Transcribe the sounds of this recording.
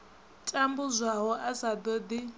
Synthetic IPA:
tʼambuzʷaɦɔʔasad̪ɔd̪i

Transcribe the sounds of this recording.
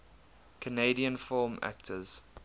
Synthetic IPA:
kʰəneɪdiə̃nfɔːmæ̰k̚tʰəz̥

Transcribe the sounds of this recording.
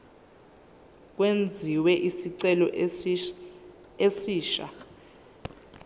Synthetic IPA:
k̬wend͡zʱiwɛʔisiǀɛlɔ | esiːʃa̰

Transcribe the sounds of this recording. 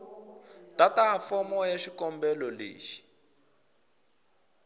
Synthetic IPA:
tataɦafɔmɔjaʃikɔmbɛlɔlḛːʃi̥

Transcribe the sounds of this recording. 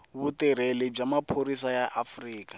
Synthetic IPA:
βutiɾ̤elib͡ʐamapʰoɾisajaʔafriːkḁ

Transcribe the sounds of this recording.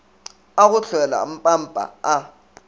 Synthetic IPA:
ak̬uɬɛla̰m̩pʼambʼʱa̰a

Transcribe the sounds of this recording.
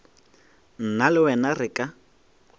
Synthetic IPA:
n̩nalɪwɛnarɪkʼa

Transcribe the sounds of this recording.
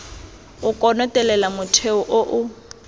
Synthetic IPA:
ʊkʼɔnɔtʼɛlɛlamʊtʰeʊʔʊʔʊ

